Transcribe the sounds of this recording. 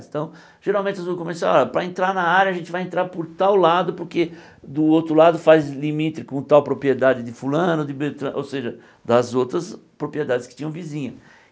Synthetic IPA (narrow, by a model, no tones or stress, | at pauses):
t̪ɐ̃w̃ | ʒ̥eɾawmẽnt͡ʃɪzõkõmesaɔɾɐpɾɐẽnt̪ɾaɾnɐaɾjɐʒẽnt͡ʃ̪ɪvajẽnt̪ɾaɾpʊɾt̪awlad̪ʊpoɾke | d̪ʊowt̪ɾʊlad̪ʊfajzlimit̪ɾɪkõt̪awpɾopɾied̪ad͡ʒɪd̪ɪfulɐ̃nʊd̪ɪbet̪ɾɐ̃ʔowseʒɐ | d̪ɐzowt̪ɾɐspɾopɾied̪ad̪ɪskɪ̥t͡ʃĩɲɐ̃w̃vizĩɲɐ